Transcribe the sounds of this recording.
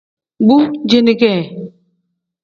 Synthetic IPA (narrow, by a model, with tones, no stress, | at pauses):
ɡ͡bu˦d͡ʒe˦ne˦˨ɡe˦˨